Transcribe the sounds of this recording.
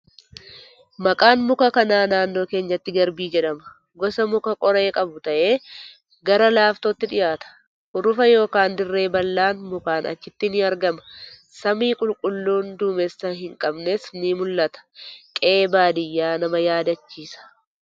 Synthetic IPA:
mɐkʼaːnmʊkɐkɐnaːnaːnːo̞ːke̞ːɲːɐt̪ːɪɡɐɾbiːd͡ʒɛᶑɐmɐ | ɡɔsɐmʊkɐkʼɔɾɐeːkʼɐbʊt̪ɐʔe̞ː | ɡɐɾɐlaːft̪oːt̪ːɪᶑɪjaːt̪ɐ̥ | hʊɾʊfɐjo̞ːkaːnd̪ɪrːe̞ːbɐlːaːnmʊkaːnɐ̰t͡ʃːɪt̪ːɪnɪɐɾɡɐmɐ̥ | sɐmiːkʼʊlkʼʊlːuːnd̪uːmɛsːɐɦɪŋkʼɐbnesnɪmʊlːɐt̪ɐ̥kʼe̞ːbaːd̪ɪjːaːnɐmɐjaːd̪ɐt͡ʃːiːsɐ̥

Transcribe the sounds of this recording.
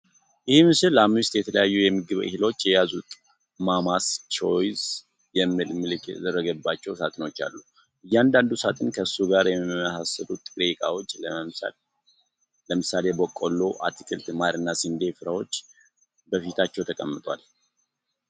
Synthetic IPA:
jɪhmɨsɨlamʊst̪jɛt̪ʰələjajːujɛmːɨɡɨβɨ̰hilo̞t͡ʃːjɛjazut̪ʼ | mamast͡ʃʰo̞jz | jɛmːɨlmɨlkɛd̪ərːəɡəbːat͡ʃːɛwsat̪ʼɨno̞t͡ʃːa̰lːu | ɨjːand̪and̪usat̪ʼɨnkʰəsuɡaɾjɛmməsasəlut̪ʼɨkʼɾekʼawo̞t͡ʃːləs | ləmɨsale̞bəkʼːolːoʔa̰t̪ʰikʰʼɨlt̪maɾɨnːasɨnd̪efɨɾawo̞t͡ʃː | bəfit̪ʰat͡ʃːɛwt̪ʰəkʼəmːɨt̪ʼwa̰l

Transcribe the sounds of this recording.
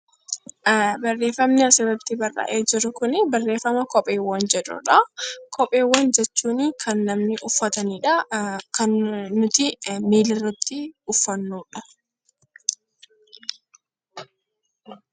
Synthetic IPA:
bɐrːe̞ːfːɐmnɪɐsɪɾɐbt̪ɪbɐrːɐ̰ʔeːd͡ʒɪɾʊkʊnɪbɐrːe̞ːfːɐmɐkɔpʼeːwːɐnd͡ʒɛᶑʊ̰ᶑɐkʰɔpʼeːwːɐnd͡ʒɛt͡ʃːuːniːkʰɐnːɐmnɪʔʊfːɐt̪ɐniːᶑɐkɐnːʊt̪ɪmiːlɪrɐt̪ɪʊfːɐnːuːᶑɐ̥

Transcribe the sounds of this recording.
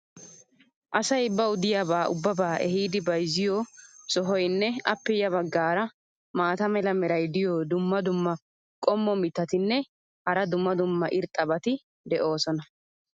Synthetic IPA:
ʔɐsɐjbːɐʊd̪ɪjaːbaːʔʊbːɐbaːʔɛɦiːd̪ɪbɐjzɪjosɔɦɔjnːɛɐpːɛjɐbɐɡːaːɾɐ | maːt̪ɐmɛlɐmɛɾɐjd̪ɪjoːd̪ʊmːɐd̪ʊmːɐ | kʼɔmːɔmɪt̪ːɐt̪ɪnːɛ | hɐɾɐd̪ʊmːɐd̪ʊmːɐʔɪɾt̪ʼːɐbɐt̪ɪ | d̪ɛʔo̞ːsɔnɐ

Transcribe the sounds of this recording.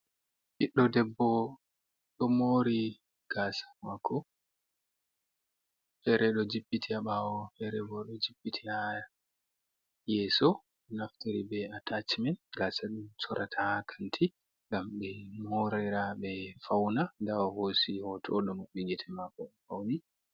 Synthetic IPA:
ʔiɗːɔdɛbːɔ | ɗɔmoɾi | ɡ̥asḁmakʰːɔ | fɛɾɛɗɔd͡ʒiɓːitʰiaɓawɔfɛɾɛbɔɗɔd͡ʒibːitʰihaja | jɛsɔ | naftiɾibɛatat͡ʃimɛnɡasaɗumsɔɾʔatʰahkʰantʰi | ŋɡamɓɛmoɾiɾaɓɛfawnadawahosihɔtʰɔɗɔmuɓiɡɛtʰɛmakːɔɛfawni

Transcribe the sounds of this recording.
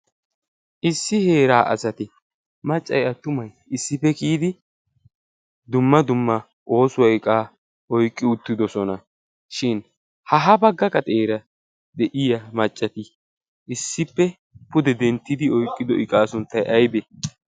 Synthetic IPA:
ʔɪsːɪhe̞ːɾaːʔɐ̰sɐt̪ɪ | mɐt͡ʃʼːɐjɐt̪ːʊmɐj | ɪsːɪpːɛkiːd̪ɪ | d̪ʊmːɐd̪ʊmːɐ | ʔo̞ːsʊwɐjɪkʼaː | ʔɔjkʼːɪʊt̪ːɪd̪ɔsɔnɐ | ʃɪn | hɐɦɐbɐɡːɐkʼɐt̪ʼeːɾɐ | d̪ɛʔɪjɐmɐt͡ʃʼːɐt̪ɪ | ʔɪsːɪpːɛ | pʊd̪ɛd̪ɛnt̪ːɪd̪ɪɔjkʼːɪd̪ɔʔɪkʼaːsʊnt̪ːɐjʔɐjbɛ

